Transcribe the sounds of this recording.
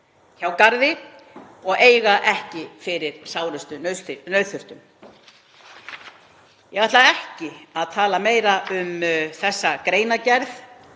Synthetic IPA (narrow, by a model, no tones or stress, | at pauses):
çawkaɾðɪ | ɔɣeːjɣaʔɛhcɪfɪɾɪɾ̥saːwɾʏst̪ʏnœɥθʏr̥t̪ʏm | jɛɣaht̪laɛhcɪaðt̪ʰaːlameːjɾaʔʏmθɛsːakɾeːjn̪acɛɾθ